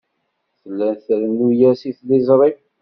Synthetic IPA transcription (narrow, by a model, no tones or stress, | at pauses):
θəlːænθɾnujæsiθlizˤɾˤi